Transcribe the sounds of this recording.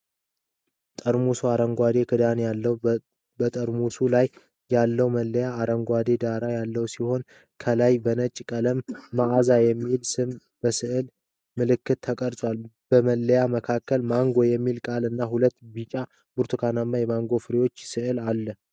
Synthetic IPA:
t̪ʼəɾmusuaɾəŋɡʷad̪e̞kʰɨd̪anjalːəw | bət̪ʼəɾmusulaj | jalːəwməlːəjaːɾəŋɡʷwad̪e̞d̪aɾajalːəwsiho̞n | kʰəlajbənət͡ʃʼkʼələmːaʔazajɛmːilsɨm | b̥əsɨʔɨl | mɨlɨkːɨt̪t̪ːʰəkʼəɾsʼwalb̥əməlːəjaməkʰakːəlmaŋɡo̞jɛmːilkʼalɨnːahulət̪ːbit͡ʃʼa | b̥uɾt̪ʰukʰananːajɛmaŋɡo̞fɨɾiwo̞t͡ʃːsɨʔɨlalːə

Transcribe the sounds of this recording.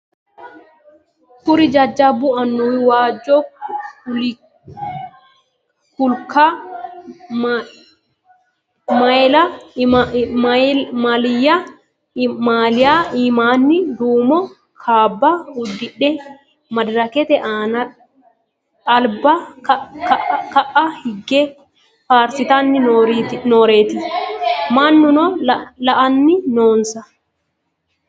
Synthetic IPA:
puɾid͡ʒad͡ʒːabuanːuwiwaːd͡ʒɔ | l | kulka | majla | malija | malijaimanːid̪uːmɔ | kʰaːbːɐhʊd̪ːɪᶑɛ | mɐd̪ɾɐkɛt̪ɛʔaːnɐ | ɐlbɐkkɐʔɐhɪɡːɛ | faːɾsɪt̪ɐnːɪnoːɾeːt̪ɪ | maːnːʊnɔlɐʔɐnːɪnoːnsɐ

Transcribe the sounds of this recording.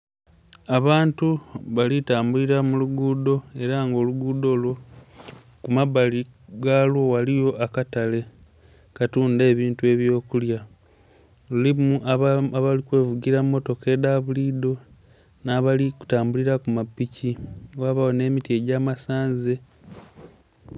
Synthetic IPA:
aβaːntuβalitaːmbuliɾamuluɡuːdo̞e̞ɾaŋɡo̞ːluɡuːdo̞lwo | kumaβaliɡaːlwo̞walijo̞ʔakatale̞ | katuːnde̞ːβiːntue̞βjo̞ːkulja | lulimuʔaaβalikwe̞ːvuɡiɾamːo̞to̞ke̞daβulido̞ | naːβaliku̥taːmbuliɾakumapːiciwaβawone̞ːmitie̞ɟaːmasaːnze̞

